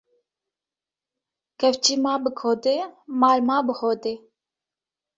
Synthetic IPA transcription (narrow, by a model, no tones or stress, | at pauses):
kʰɛft͡ʃiːmaːbɨkʰoːd̪eːmaːlmaːbɨhoːd̪eː